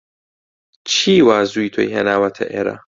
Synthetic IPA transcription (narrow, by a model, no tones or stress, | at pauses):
t͡ʃiːwaːzuit̪ʰojɦɛ̰nawat̪ʰɐ̰ʔɛɾa̰